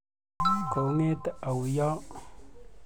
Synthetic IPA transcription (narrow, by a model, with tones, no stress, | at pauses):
ɡo˨ŋe˦d̪a˨wi˨ja˦